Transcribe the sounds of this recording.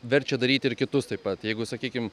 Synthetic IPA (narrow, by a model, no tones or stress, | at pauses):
ʋʲɛɾʲt͡ʃʲɛd̪ɐɾʲiːt̪ʲɪɾkʲɪt̪ʊst̪ɐɪppɐt̪jɛɪɡʊsɐkʲiːkʲɪm